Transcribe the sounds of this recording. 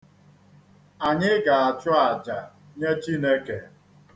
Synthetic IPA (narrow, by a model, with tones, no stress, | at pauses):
a˨ɲɪ˦ɡa˨a˨t͡ʃʊ˦a˨d͡ʒa˨ | ɲe˦t͡ʃi˦ne˦ke˨